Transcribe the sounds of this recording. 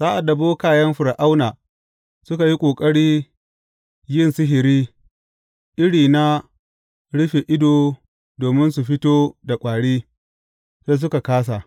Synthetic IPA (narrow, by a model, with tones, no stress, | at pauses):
saː˦ʔa˨dːa˨boː˦kaː˦jɐ˦mɸʊ˨ɾʔa˦wnaː˨ | sʊ˦ka˨ji˦kʷʼoː˨kʼɐ˦ɽiː˦ | jɪ˦nsɪ˦ɦɪ˨ɾiː˦ | ʔɪ˦ɽiː˨na˦ | ɽʊ˦ɸe˨ʔɪ˦doː˨ | doː˨mɪ˦nsu˨ɸɪ˦toː˦da˨kʷʼaː˨ɽiː˦ | seː˦s̬ʊ˦ka˨kaː˦s̬a˨ʔ